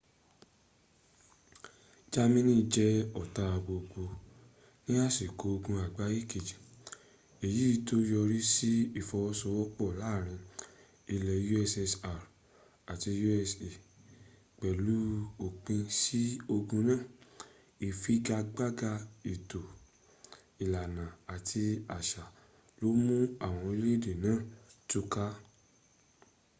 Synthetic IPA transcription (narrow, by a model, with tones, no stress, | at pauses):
d͡ʒa˦mĩ˦nĩ˦˧d͡ʒɛ˦ɔ˨ta˧˨bo˨ɡ͡bo˧ | nĩ˦a˦si˨ko˨˦o˧ɡũ˧a˨ɡ͡ba˦ji˦˨ke˨d͡ʒi˨ | e˨ji˨˦i˧to˦jɔ˧ɾi˦si˦i˦˨fɔ˧ɔ˧sɔ˧wɔ˦k͡pɔ˦˨la˨˦˨ɾ̃ĩ˧ | i˧lɛ˨˦ju˦ɛ˧sɛ˧sa˧˨ɾ | a˨ti˧ju˦ɛ˧se˨ | k͡pɛ˨lu˦o˨k͡pĩ˧si˦o˧ɡũ˧nã˦˨ | i˨fi˨˦ɡa˧ɡ͡ba˦ɡa˧i˨to˨ | i˨la˨nã˨a˨tʰi˧a˨ʃa˨ | lo˨˦mũ˦a˦˨w̃ɔ̃˧i˧le˦˨de˨nãː˨˦˨tu˦ka˦